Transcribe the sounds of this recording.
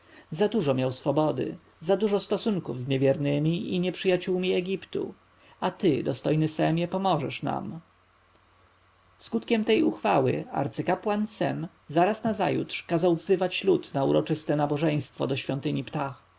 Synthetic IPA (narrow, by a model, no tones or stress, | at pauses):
zad̪uʐɔmʲjawsfɔbɔd̪ɘ̰ | zad̪uʐɔst̪ɔsuŋkuvzɲɛvʲjɛɾnɘmʲiiɲɛpʂɘjat͡ɕuwmʲiɛɡʲipt̪ṵ | at̪ɘd̪ɔst̪ɔjnɘsɛmjɛpɔmɔʐɛʂna̰m | skut̪kʲɛmt̪ɛjuxfawɘ̰a̰ɾt̪sɘkapwansɛ̰m | zaɾasnaza̰jṵt̪ʂkazawvzɘvat͡ɕlut̪naṵɾɔt͡ʂɘst̪ɛnabɔʐɛj̃st̪fɔ̰d̪ɔɕfʲjɔnt̪ɘɲipt̪ax